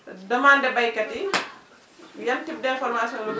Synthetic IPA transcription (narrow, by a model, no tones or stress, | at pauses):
dɔmandɛbajkati | jantib̚dɛɛnfɔɾmasiɔnɔ